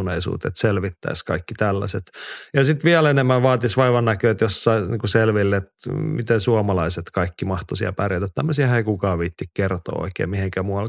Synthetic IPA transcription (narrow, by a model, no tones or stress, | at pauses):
uneisṵːt̪ḛt̪selʋit̪ːæ̰iskɑikːit̪ælːæ̰set̪jɑsit̪ʋiælenemːæʋʋɑːt̪isʋɑiʋɑnnækøːet̪josːɑiniːŋkuselʋilːt̪mit̪ensuɑmɑlɑiset̪kɑikːimɑht̪osiɑ̰pærjɑt̪ːæt̪t̪æmːøsiæheikukɑːʋʋiːt̪ːikkert̪o̰ːo̰ikḛːmiheŋkæmuɑl